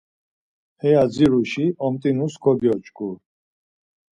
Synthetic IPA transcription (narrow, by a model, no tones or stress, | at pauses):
hɛjad͡ziɾuʃiɔmt̪ʼinusɡʰɔbjɔt͡ʃʼkʼu